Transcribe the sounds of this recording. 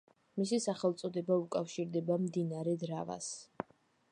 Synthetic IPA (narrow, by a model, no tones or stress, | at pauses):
misisaχɛlˠt̪sʼɔd̪ɛbaukʼafʃiɾd̪ɛbamd̪inaɾɛd̪ɾava̰s